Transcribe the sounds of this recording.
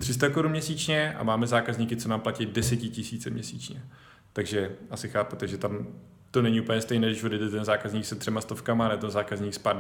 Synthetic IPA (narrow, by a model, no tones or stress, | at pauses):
t̪r̥ɪst̪akoɾunmɲɛsiːt͡ʃɲɛʔa̰maːmɛzaːkazɲikɪt͡sonaːmplacijdɛsɛcɪcɪsiːt͡sɛmɲɛsḭːt͡ʃɲɛ | t̪aɡʒɛʔasɪxaːput̪ɛʒɛt̪am | t̪o̞nɛɲiupl̩ɲɛst̪ɛjnɛːdɪʃvodjɛjdɛt̪ɛnzaːkazɲiːksɛt̪r̝̥ɛmast̪o̞fkamanɛot̪ɛnzaːkazɲiːkspaɾd